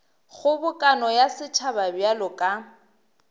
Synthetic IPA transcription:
ɣʊbʊkʼanɔjasɪt͡ʃʰababjalɔkʼa

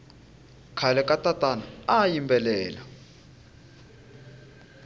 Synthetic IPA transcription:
kʰalɛkʼatʼatʼanaajimbɛlɛːla

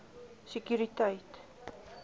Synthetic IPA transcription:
sekjuɾitɐjt

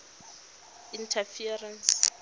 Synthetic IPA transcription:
intʰafiarɛns

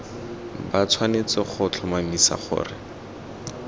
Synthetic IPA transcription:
bat͡sʰwanet͡sɔχʊt͡ɬʰɔmamisa̰χʊ̰ːrɪ

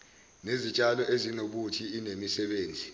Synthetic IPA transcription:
nezit͡ʃʼalɔʔezinoɓutʰiinemisɛɓeːnd͡zʱi

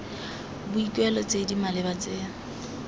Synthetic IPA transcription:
bʊikʼwɛlɔt͡sʼedimalɪbat͡sɪːŋ̩

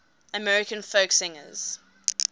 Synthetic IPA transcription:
əmɛɹɪkə̃nfəksɪ̃ŋə̰z̥

